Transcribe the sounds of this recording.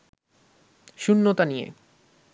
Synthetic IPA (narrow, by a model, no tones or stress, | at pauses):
ʃunːot̪aniḛ